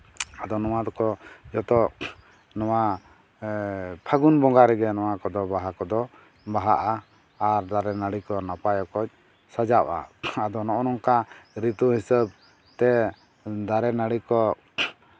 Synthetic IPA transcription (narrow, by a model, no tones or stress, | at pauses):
ad̪ɔnɔwad̪ɔkɔd͡ʒɔt̪ɔ | nɔwa | pʰaɡunbɔŋɡaɾɛɡɛnɔwakɔd̪ɔbaɦakɔd̪ɔ | baɦaʔaː | ɾd̪aɾɛnaɽikɔnapajɔkɔt͡ʃ̚ | sad͡ʒaʔa̰ad̪ɔnɔʔɔnɔŋkaɾit̪uɦisəb̚ | t̪ɛ | d̪aɾɛnaɽikɔ